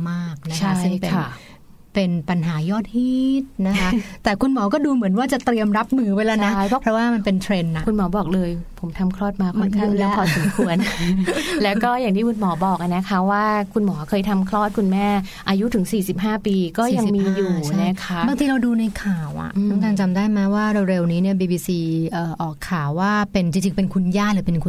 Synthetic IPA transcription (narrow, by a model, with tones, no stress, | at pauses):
maː˥˩k̚na˦˥t͡ɕʰaa˦˥sɯ˥jpe˧na˥˩ | pe˧npa˧nɦaː˩˦jɔː˥˩t̪̚hiː˥˩t̪̚na˦˥kʰa˦˥t̪ɛː˨˩kʰu˧nmɔː˩˦kɔː˥˩duː˧mɯ˨˩˦nwaː˥˩t͡ɕa˨˩t̪ɾi˧əmɾa˦˥p̚mɯː˧pa˧jlɛː˦˥˩na˦a˥˩jʰɔ˦˥˩pɾɔ˦˥waː˥˩ma˧npe˧nt̪ʰɾe˧nːa˨˩kʰu˧nmɔː˩˦bɔː˨˩k̚lɤː˧jpʰo˩˦mt̪ʰa˧mkʰɾɔː˥˩t̪̚maː˧kʰo˧nk̪ʰi˥˩lɛː˦˥kʰɔː˨˧˩so˨˦kʰu˧ən | lɛː˦˥wkɔː˥˩jaː˨˩ŋt̪ʰiː˥˩kʰu˧nmɔː˩˦bɔː˨˩k̚ʔa˨˧˩na˦˥kʰa˦˥waː˥˩kʰu˧nmɔː˩˦kʰɤː˧jt̪ʰa˧mkʰɾɔː˥˩t̪̚kʰu˧nmɛː˥˩ | ʔaː˧ju˦˥t̪ʰɯ˩˦ŋsiː˨˩si˨˩p̚ɦaː˥˩piː˧kɔː˥˩ja˧ŋmiː˧juː˨˩t͡ɕʰna˦˥kʰa˦˥baː˧ŋt̪ʰiː˧ɾa˧wduː˧na˧jkʰaː˨˩wʔa̰˨˩ʔʰa˥˩ŋkʰaː˧˩ŋt͡ɕa˧mdaː˥˩jma˦˥waː˥˩ɾe˧wɾe˧wniː˦˥ni˥˩ɐbiː˧biː˧siː˧ʔəː˨˩ʔɔː˨˩kʰːaː˨˩wːaː˥˩pe˧nt͡ɕi˧ŋt͡ɕi˧ŋpe˧nkʰu˧njaː˥˩lɯː˩˦pe˧nkʰu˧n